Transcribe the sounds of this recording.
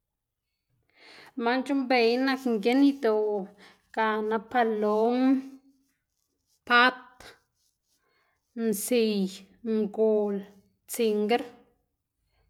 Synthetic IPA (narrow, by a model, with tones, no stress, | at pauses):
ma˦nt͡ʃu˦mbe˧jna˧kŋɡe˦ni˧d̪o˧˨ | ɡ̥a˧˨na˧pa˧lo˦m | pa˦t̪̚ | nsi˧˨j | mɡo˨l | t͡si˧ŋɡe˦ɾ